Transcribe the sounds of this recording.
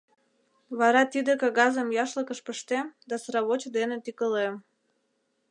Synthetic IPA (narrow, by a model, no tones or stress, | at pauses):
βɑɾɑt̪id̪ekɑɣɑzəmjɑʃləkəʃpəʃt̪emd̪ɑsɾɑβot͡ɕəd̪enet̪ikəlem